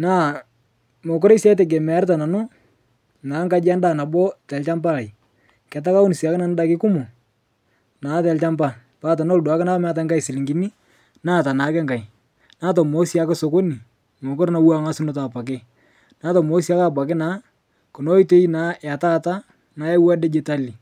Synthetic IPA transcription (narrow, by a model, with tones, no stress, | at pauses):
naː˦˨ | mo˨k̬ʊ˦ɾe˦sja˦t̬ɛ˨ɡ̬ɛ˨m˨a˦ɾta˨na˨nʊ˦ | naː˨˦ŋɡa˦d͡ʒa˦nda˦˨na˨bɔ˦tɛ˨lt͡ʃa˦mba˦la˨j | kɛ˨t̬a˦ka˦ʊ˦n˨si˨a˨kɪ˦na˨n˦da˦kɪ˦kʊ˦mʊ˨ | naː˨˦tɛ˨lt͡ʃa˦mba˦ | paː˨˦˨ta˨no˦lda˨˦kɪ˦na˦m˦a˦t̬a˦ŋɡa˦i˨sɪ˨lɪ˨ŋɡi˨ni˦ | naː˦˨ta˨na˨˦kɛ˦ŋɡa˨i˨ | naː˦t̬o˨mo˦si˦a˦kɛ˦so˨ko˦ni˨ | mo˨kɔ˦ɾna˨wa˦ŋa˦sɪ˦nʊ˦ta˨pa˨k̬ɪ˦ | na˦tɔ˨mo˦si˦a˦ka˦˨p̬a˨kɪ˦na˨˦ | kʊ˨no˦i˦te˦i˦naː˦ja˨ta˦ta˦ | naː˨ɛ˦wa˦dɛ˦d͡ʒe˦ta˦li˨